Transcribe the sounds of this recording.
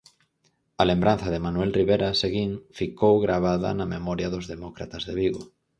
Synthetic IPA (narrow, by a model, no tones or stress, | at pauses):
alembɾan̟θað̞emanwelriβeɾaseɣiŋfikowɣɾaβ̞aða̰namemoɾjaðozðemokɾa̰t̪azðeβiɣo̰